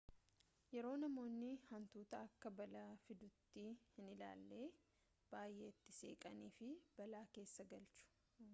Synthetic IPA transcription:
jɛɾo̞ːnɐmo̞ːnːɪhɐnt̪uːt̪ɐɐkːɐbɐlɐfɪd̪ʊt̪ːiːhɪnɪla̰ːlːe̞ː | b̥aːjːeɪt̪ːɪseːkʼɐniːfɪb̥ɐlaːke̞ːsːɐɡɐlt͡ʃʊ̥

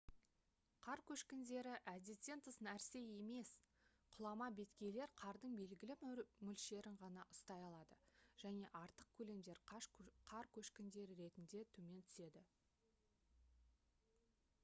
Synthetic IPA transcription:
qʰɑɾkʲʰɵʃkʲɪnd̪e̞ɾɪʔæd̪et̪e̞nt̪ʰəsnæɾse̞je̞me̞s | qʰʊlˠɑmɑbe̞t̪kʲe̞jle̞ɾqʰɑɾd̪əɴbe̞lɡʲɪlɪmʏlʃe̞ɾɪɴʁɑnɑʔʊst̪ɑjɑlˠɑd̪əʒ̥æne̞ʔɑɾt̪əq̚kʲʰɵle̞md̪e̞ɾʃqʰɑɾkʲʰɵʃkʲɪnd̪e̞ɾɪɾe̞t̪ɪnd̪e̞t̪ʰɵme̞nt̪ʰʏ̥se̞d̪ɪ

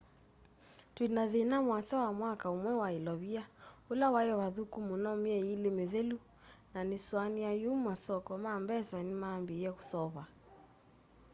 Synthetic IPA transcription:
twinaðinamwasawamwakaumwɛwailɔβiaulawajɛwaðukumunɔmiɛilemeðelu | naniswanijajummasɔkɔmaːmbɛsanimaːmbiɛku̥sɔβa

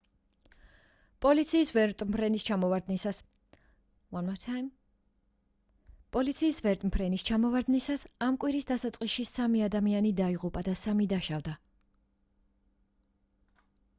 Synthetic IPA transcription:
pʼɔlit̪sʰiːsvɛɾt̪ʼmpʰɾɛnist͡ʃʰamɔvad̪nisas | an | pʼɔlit̪sʰiːsvɛɾt̪ʼmpʰɾɛnist͡ʃʰamɔvaɾd̪nisasamkʼwiɾisd̪asat̪sʼqʼisʃisamiad̪amianid̪aiʁupʼad̪asamid̪aʃavd̪a

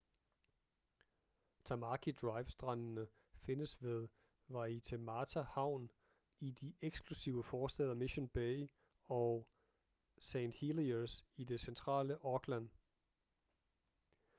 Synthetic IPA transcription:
t͡sʰɑ̈mɑkʰid̥ʁɑ̈ɪʋsd̥ʁɑnnə | fe̝nəsʋeð̞ˠ | ʋɑ̈it͡sʰemɑt͡sʰæhɑ̈ʊ̰n | id̥iʔeɡ̥sɡ̥ʰlusiʊəfɒːsd̥ɛ̰ːðˠɐmiɕonb̥eɪ | ɒ | seɪnd̥hilisid̥e̝sent͡sʰʁɑ̰̈ːləʔɒ̽ɡ̥læn

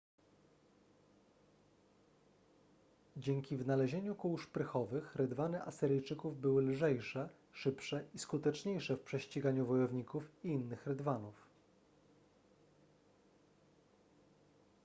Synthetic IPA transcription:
d͡ʑeŋkʲivnalɛʑeɲukuwʂpɾɘxɔvɘxɾɘd̪vanɘʔasɘɾɘjt͡ʂɘkuvbɘwɘlʐɛjʂɛ | ʂɘpʂɛʔiskut̪ɛt͡ʂɲejʂɛfpʂɛɕt͡ɕiɡaɲuvɔjɔvɲikufiinːɘxɾɘd̪vanuf

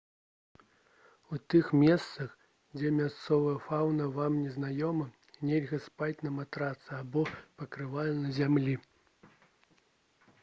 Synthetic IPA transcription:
ut̪ɨxmʲɛst̪sɐx | d͡zʲɛmʲast̪sɔvɐjɐfawnɐvamnʲɛznajɔmɐ | nʲɛlʲɣɐspat͡sʲnɐmat̪ɾat̪sɐabɔpɐkɾɨvajɐnɐzʲamlʲi

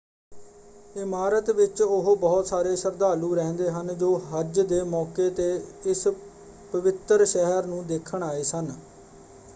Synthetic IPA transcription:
ɪmaːɾət̪ʋɪt͡ʃʊɦbɔːt̪saːɾeːsəɾd̪aːluːɾɛ̃ːnd̪eːɦənd͡ʒoːɦəd͡ʒd̪eːmɔːkeːt̪eːɪs | pəʋɪt̪əɾʃɛɦəɾnũːd̪eːkʰəɳ̃aːeːsən

